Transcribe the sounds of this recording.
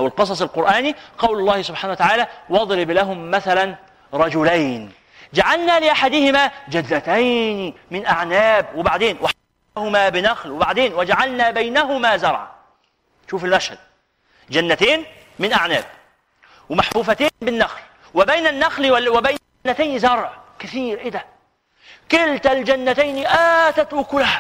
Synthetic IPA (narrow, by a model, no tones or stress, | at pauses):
ʔæwɪlqɨs̬ˤɑs̬ˤɪlqʊɾʔæːniqɑwlɑlˤːɑːhɪsʊbħaːnawat̪aʕaːlæːwɑd̪ˤlɪblæɦʊmːæθælæn | ɾˤɑd͡ʒʊlajn | d͡ʒaʕalnæːlɪʔaħad̪ɪhɪmæːd͡ʒæd̪ːæt̪ajnmɪnʔaʕnæːbwɪbaʕd̪eːnwaħ | hʊmæːbɪnæxlwɪbaʕd̪eːnwɪd͡ʒaʕalnæːbajnæɦʊmæːzɑɾˤʕa̰ | ʃuːfɪlmæʃhæd̪̥̚ | d͡ʒænːæt̪eːn | mɪnʔaʕnæ̰ːb̚ | wɪmaħfuːfæt̪eːnbɪnːaxl | wɪbajnanːaxlwɪbajn | nːæt̪ajnzɑɾˤʕkɪθiːɾʔɪd̪æ | kɪlt̪ald͡ʒanːat̪ajnʔaːt̪æt̪wʊkʊlh